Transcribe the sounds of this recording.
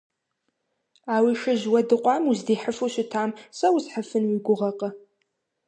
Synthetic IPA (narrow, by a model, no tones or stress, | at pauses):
aːwiʃɨʑwɐdɨqʷʼɑːmuzdiːħəfuɕɪtʰaːmsɐwzħəfɨnwiɡʷʊʁɐqʼɐ